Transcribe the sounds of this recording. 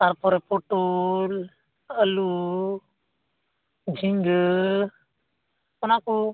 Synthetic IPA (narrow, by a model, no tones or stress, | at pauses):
t̪aɾpɔɾepoʈol | əlu | d͡ʒʱiŋɡ | ɔnaku